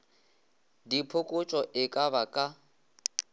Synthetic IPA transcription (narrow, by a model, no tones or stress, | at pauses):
dipʰʊkʼʊt͡ʃʼɔʔɪkʼabakʼa